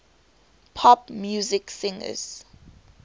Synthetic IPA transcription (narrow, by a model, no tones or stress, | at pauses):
pʰɔpmjuzɪksɪ̃ŋə̰z̥